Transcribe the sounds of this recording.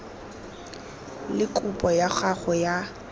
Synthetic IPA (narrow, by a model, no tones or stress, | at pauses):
lɪkʼupʼɔjaχaχɔja